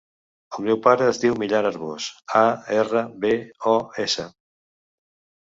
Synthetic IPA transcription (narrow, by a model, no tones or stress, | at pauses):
əlmɛwpaɾəːzðiwmiʎanəɾβosaerəβeɔesə